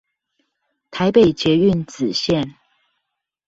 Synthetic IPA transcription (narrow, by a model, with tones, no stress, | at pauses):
t̪ʰa˨˦ɪpe˨˩ɪt͡ɕjɛ˨˦y˥˨nt͡sɹ̩˨˩ɕjɛ˥˨n